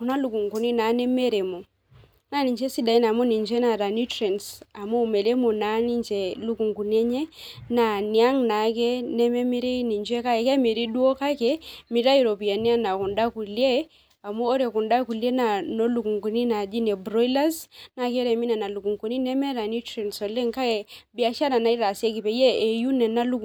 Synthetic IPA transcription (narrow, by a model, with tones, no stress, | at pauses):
u˨na˦lu˨ku˨ŋku˨ni˦na˨˦nɛ˦mɛ˦ɾɛ˨mo˨ | na˦ni˨ɲt͡ʃɛ˦si˦da˨i˦na˨mo˦ni˨ɲd͡ʒɛ˦na˨ɾa˨ni˦tɾɛ˨nsa˨mu˦˨mɛ˨lɛ˦mo˨na˨˦ni˦ɲt͡ʃɛ˨lu˦ku˨ŋku˨n˦ɛ˦ɲɛ˦na˨ni˨a˦ŋna˨˦kɛ˦nɛ˦mɛ˦mi˦ɾi˦ni˨ɲd͡ʒɛ˦ka˦ɛ˨kɛ˦mi˨ɾi˦du˦o˦ka˦kɛ˦mi˨ɾa˦ji˨ɾo˨pi˨a˨ni˦a˦na˨ku˨nda˦ku˨lje˦ | a˨moː˦ɾɛ˨ku˨nda˦ku˨lje˦na˨no˦lu˨ku˨ŋku˨ni˦na˨d͡ʒi˦nɛ˨bɾɔ˦jla˦sna˨kɛ˦ɾɛ˨mi˦na˨na˨lu˨ku˨ŋku˨ni˦nɛ˦mɛ˦ɾa˨ni˦tɾɛ˨nsɔ˨lɛ˦ŋka˦kɛ˨bi˦a˦ʃa˦na˨na˨i˦ɾa˨se˦ki˨pɛ˨jɛː˦˨ju˦nɛ˨na˦lu˦